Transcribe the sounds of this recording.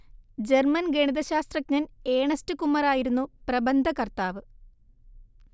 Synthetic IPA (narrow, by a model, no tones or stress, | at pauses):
d͡ʑermɐnɡeɳiðɐɕaːst̪rɐk̚ɲɐneːɳɐstɨkumːɐɾaːjiɾunːuprɐbɐnd̪ʱɐkɐrt̪aːʋɨ